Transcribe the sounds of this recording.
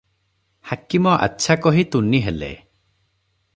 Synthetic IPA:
hakimɔʔa̰tːʃʰakɔɦit̪unːiɦelḛ

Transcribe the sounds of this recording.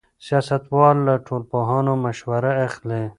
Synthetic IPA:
sijɑːsɐt̪wɑːlːaʈʰoːlpoːɦɑːnomɐʃwɐɾaexle

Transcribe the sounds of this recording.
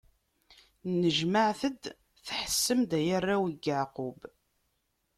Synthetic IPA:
nəʒməʕθəd̪ | θħə̥sːəmd̪æjərːawiɡəʕqub

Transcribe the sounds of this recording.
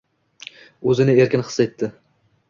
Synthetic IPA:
ɵzɪnɪe̞ɾkʲɪnχɨ̥set̪ːɪ

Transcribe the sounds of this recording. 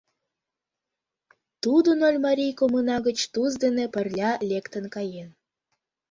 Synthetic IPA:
t̪ud̪unolʲmɑɾʲijkomunɑɣət͡ɕt̪uzd̪enepə̆rlʲɑlʲekt̪ənkɑjen

